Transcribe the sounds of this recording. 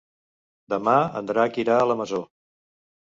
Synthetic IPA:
d̪əmaə̰nd̪ɾakiɾaələməzo

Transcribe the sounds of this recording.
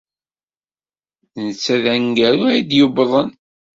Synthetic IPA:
nət͡sːæðæŋɡæɾuæjid̪jʊbðˤən

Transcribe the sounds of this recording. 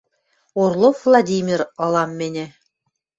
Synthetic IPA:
oɾlˠovlˠad̪ʲimʲiɾɑlˠɑmːenʲɘ

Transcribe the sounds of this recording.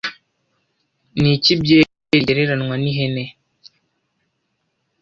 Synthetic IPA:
nit͡ʃibje | eɾiɾanŋaniɦɛnɛ

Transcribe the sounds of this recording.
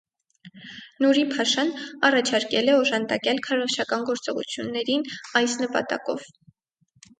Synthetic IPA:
nuɾipʰɑʃɑnɑrɑt͡ʃʰɑɾkɛlɛɔʒɑnd̪ɑkɛlkʰɑrɔχt͡ʃʰɑkɑnɡɔɾt͡sɔʁṵt͡sʰjunːɛɾinɑjsnəpɑ̰t̪ɑ̰kɔ̰v

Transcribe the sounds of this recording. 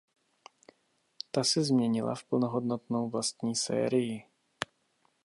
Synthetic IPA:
t̪asɛzmɲɛɲɪla̰fpl̩noɦod̪not̪nowvlast̪ɲiːsɛ̰ːɾɪjɪ

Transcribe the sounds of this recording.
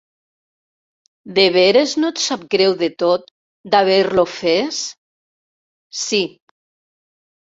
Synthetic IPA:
d̪eβeɾeznot̪sap̚ɡɾewðet̪ot̪̚ | d̪aβ̞eɾlofes | si

